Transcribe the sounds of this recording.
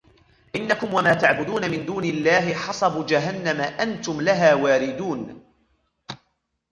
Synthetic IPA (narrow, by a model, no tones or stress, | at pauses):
ʔɪnːakʊmwamaːt̪aʕbʊd̪uːnamɪnd̪uːnɪlːaːɦɪħɑsˤɑbuːd͡ʒaɦanːamaʔant̪ʊmlaɦaːwaːɾɪd̪uːn